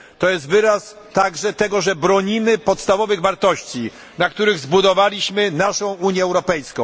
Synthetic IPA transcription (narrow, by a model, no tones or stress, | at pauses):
t̪ɔjɛst̪vɘɾas | t̪aɡʐɛt̪ɛɡɔʐɛbɾɔɲimɘpɔt̪st̪avɔvɘɣvaɾt̪ɔɕt͡ɕi | nakt̪uɾɘɣzbud̪ɔvalʲiɕmɘnaʂɔ̃w̃uɲjɛːwɾɔpɛjskɔ̃w̃